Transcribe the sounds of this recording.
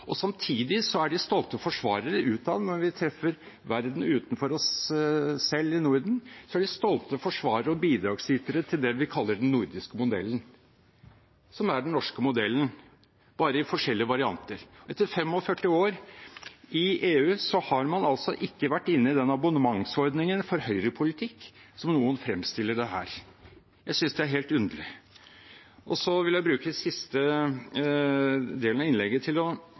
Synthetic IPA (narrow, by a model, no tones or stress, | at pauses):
ʔɔsɑmt̪ʰiːd̪ɪsɔæɖɪst̪ɔlt̪əfɔʂʋɑːɾəɾəʔʉːt̪ɑʋnɔɾʋɪt̪ʰɾɛfːəɾ | ʋæɾd̪n̩ʉːt̪n̩fɔɾɔsː | ɛlːɪnuɾd̪n̩sɔæɖɪst̪ɔlt̪əfɔʂʋɑːɾəɾəɔbiːd̪ɾɑːɡsɪt̪əɾət̪ʰɪld̪ɛʋɪkʰɑlːəɖɛnnuɾd̪ɪskəmʊd̪ɛ̰lːən | sɔmæɖɛnnɔʂkəmʊd̪ɛlːən | b̥ɑːɾəɪfɔʂɛlːɪəʋɑɾɪɑ̰nt̪əɾɔɛt̪ːəɾfɛmːɔfœʈːɪoːɾ | ɪeːʉːsɔhɑɾmɑnɑlsɔʔɪkːəʋæʈːɪnːəɪd̪ɛnɑbʊnəmɑŋsɔɾd̪nɪŋənfɔɾhœʏɾəpʰʊlɪt̪ʰɪkːsɔmnuːənfɾɛmst̪ɪlːəɖɛɦæ̰ːɾ | jæɪsʏnsd̪ɛæɾɦeːlt̪ʉnd̪əɭɪ | ʔɔsɔʋɪljæɪbɾʉːkəsɪst̪ə | d̪eːlnɑʋɪnlɛɡːət̪ʰɪlɔ